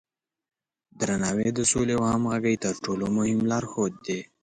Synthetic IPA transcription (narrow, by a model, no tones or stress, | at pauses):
d̪ɾanɑwed̪əsolewahamɣaɡajt̪əɾʈolomʊhɪmlɑɾxod̪̚ːe